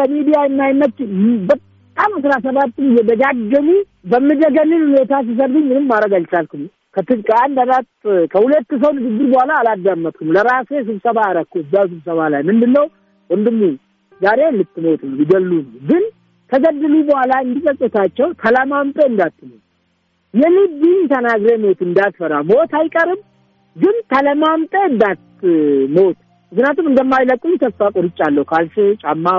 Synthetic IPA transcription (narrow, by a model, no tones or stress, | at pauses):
əmid̪ijaɨnːajnːət͡ʃːbət̪ʼːamasɾasəβat̪ːɨmɨjːɛbəɡaɡːəmu | bəmːɨd̪əɡəlːɨnhunet̪as̬is̬əɾd̪ɨɲmɨnɨmːaɾəɡalt͡ʃalkɨm | kʰət̪ɨlkʼəand̪anat̪kʰəhulət̪ːɨs̬əwnɨɡɨɡːɨɾbəhʷalaːlad̪amːət̪̚kʰumləɾase̞s̬ɨβsəβaːɾəkːuɨd̪aws̬ɨβsəβalajmɨnd̪ɨnːəw | wənd̪ɨmːu | zaɾe̞lɨt̪ːmot̪nəwjɪɡəlːunəwɡɨn | k̪ʰəɡəd̪ːɨlubəhʷalaɨnd̪ikʼəsʼut̪ʰat͡ʃːɛwt̪ʰələmamt̪ʼeɨnd̪at̪ːnəw | jɛlɨbiɲt̪ʰənaɡɾemo̞t̪ɨnd̪at̪fəɾamo̞t̪ajkʼəɾɨm | ɡɨnt̪ʰələmamt̪ʼeɨnd̪at̪ːmo̞t̪ | mɨknjat̪umɨnd̪əmːajləkʼːuɲt̪ʰəsfakʼɔɾɨt͡ʃʼːalːəhukʰalsɨt͡ʃʼamːa